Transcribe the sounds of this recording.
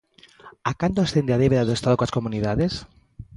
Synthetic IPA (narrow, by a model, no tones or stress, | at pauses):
akant̪oasθend̪eaðeβeɾaðeest̪aðoklaskomuniðaðes